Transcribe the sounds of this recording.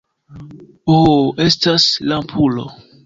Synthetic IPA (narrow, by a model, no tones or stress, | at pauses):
oestaslampʰulo̰